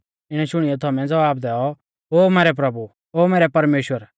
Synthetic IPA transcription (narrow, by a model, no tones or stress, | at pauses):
ɪɽ̃ɛʃʊɽ̃ijɔt̪ʰɔːmɛ̃d͡zɐʋaːbd̪ɛːɔ | ɦoːmɛːɾɛp̬ɾɐbu | oːmɛːɾɛpɐɾmeːʃwəɾ